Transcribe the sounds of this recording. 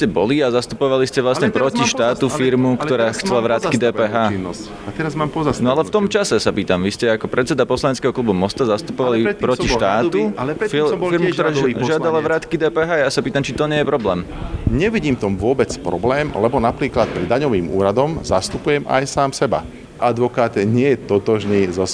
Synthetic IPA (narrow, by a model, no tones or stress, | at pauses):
scɛbɔ̰liazast̪upɔʋaliscɛʋlasɲɛpɾɔciʃt̪aːt̪ufiɾmukt̪ɔɾaːxt͡sɛlaʋɾaːt̪kid̪ɛːpɛːɦaːn | at̪ɛɾazmaːmpɔzasnɔalɛft̪ɔmt͡ʃasɛsapiːt̪amʋiscɛakɔpɾɛt̪t͡sɛd̪apɔslaɲɛt͡skɛːɦɔklubumɔst̪azast̪upɔʋalipɾɔiʃt̪aːt̪t̪ufifiɾmukt̪ɔɾaːʒɪad̪alaʋɾaːt̪kid̪ɛːpɛːɦaːjasapiːt̪amt͡ʃit̪ɔɲɪɛjɛpɾɔblɛːm | ɲɛʋiɟiːmft̪ɔmʋʊɔbɛt͡spɾɔ̰blɛːmlɛbɔnapɾiːklat̪̚pɾɛd̪aɲɔʋiːmṵːɾad̪ɔmzast̪upujɛma̰jsaːmsɛba̰ | ʔad̪ʋɔkaːt̪ɲɪɛjɛt̪ɔt̪ɔʒniːzɔs